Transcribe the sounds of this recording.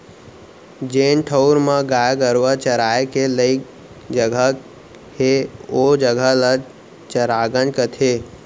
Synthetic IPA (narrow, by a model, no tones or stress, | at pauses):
d͡ʒeːnʈʰəʊɾmãɡaːjɡəɾʋət͡ʃəɾaːekeləɪk | d͡ʒəɡʱə | heod͡ʒəɡʱələ | t͡ʃəɾaːɡənkət̪ʰeː